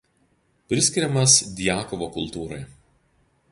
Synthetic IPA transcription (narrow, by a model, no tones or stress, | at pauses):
pʲɾʲɪsʲkʲɪɾʲɛmɐsd̪ʲjæːkɔʋoːkʊlˠt̪uːɾɐɪ